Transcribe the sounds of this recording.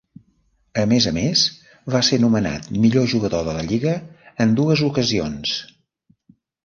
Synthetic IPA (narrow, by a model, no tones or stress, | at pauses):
əmezəmes | βasenuməna̰t̪̚miʎoʒuɣəðoðələʎiɣəːnd̪uəzukəzions